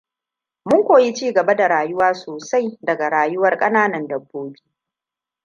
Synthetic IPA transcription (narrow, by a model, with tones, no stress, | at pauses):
mʊ˦ŋkʷoː˨ji˦t͡ʃiː˦˨ɡɐ˨ba˦da˨ɾaː˨jʊ˦waː˦soː˨sa˦jdɐ˨ɡa˨ɽaː˨jʊ˦wɐ˦rkʼɐ˦naː˦nɐ˨ndɐ˨bːoː˦bi̥ː˦